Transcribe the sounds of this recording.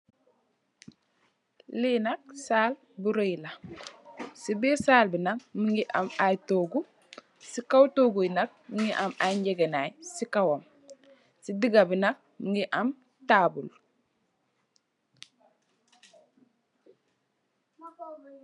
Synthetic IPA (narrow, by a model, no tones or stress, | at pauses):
linɐk̚saːl | buɾojla | sibisaːlbinɐk̚miŋɡiʔɐ̰majtoːɡu | sikawtoɡujnɐk̚miŋɡiʔamaɲɟɛɡenajsikawam | sidiɡabinɐk̚miŋɡiʔɐm | taːbul